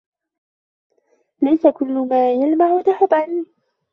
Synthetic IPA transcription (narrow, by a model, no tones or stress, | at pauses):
lajsakʊlːʊmaːjalmaʕwat̪aħɑt̪ˤːʕanːi